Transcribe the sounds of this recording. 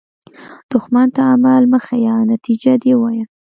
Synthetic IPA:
d̪̥ʊxmant̪aːmalməxajɑnat̪id͡ʒad̪ewɑja

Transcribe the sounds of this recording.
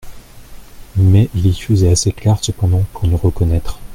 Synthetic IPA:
mɛʔilifəzɛaseklɛʁsəpɑ̃d̪ɑ̃puʁnəʁəkɔnɛt̪χ

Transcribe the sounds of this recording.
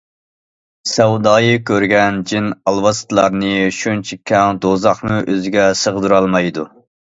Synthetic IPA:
sɛwd̪ɑːjɨkʲʰøɾɡʲɛnd͡ʒinɑlˠwɑst̪lˠɑɾnɨʃunt͡ʃʰikʲʰːɛŋd̪ozɑχnuʔøzɪɡʲɛsəʁd̪uɾɑlˠmɑjd̪u

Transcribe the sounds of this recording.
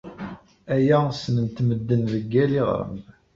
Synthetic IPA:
æjæsnənt̪məd̪ːənðəɡːæliʁ̰ɾə̰m

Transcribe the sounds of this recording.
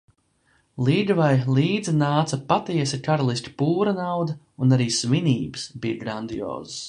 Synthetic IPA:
lˠiːd̪vajlˠiːd̪zinaːt̪sɐpat̪iɛsikaɾalˠisʲt̪ʲi̥puːɾanawd̪ɐ | unaɾiːsviniːbɨsbijaɡɾand̪ijɔ̰ːzəs

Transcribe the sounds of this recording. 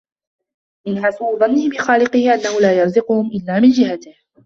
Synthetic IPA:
ʔɪnħasuwðˤɑnːɪhɪbɪxaːlɪqɪhɪʔanːahʊlaːjɑɾˤzɪqʊhʊmʔɪlːaːmɪnd͡ʒɪɦat̪ɪh

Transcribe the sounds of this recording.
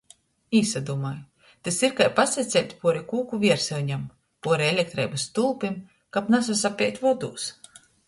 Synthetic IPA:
iːsad̪uɔmaj | t̪esiɾkajpasɛt̪sʲɛlʲt̪ʲpuɔɾikuːkuvʲiɛɾsɛlɲam | puɔɾielʲek̚t̪ɾɛ̰jbast̪ulˠpim | kapnas̬asapʲɛjt̪ʲvɔɔd̪uːs

